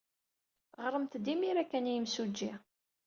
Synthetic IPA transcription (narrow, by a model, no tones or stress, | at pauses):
ʁəɾˤəmt̪d̪imiɾækːænjəmsud͡ʒːi